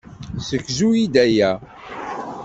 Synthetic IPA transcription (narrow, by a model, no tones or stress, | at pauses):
səkːzuid̪æjæ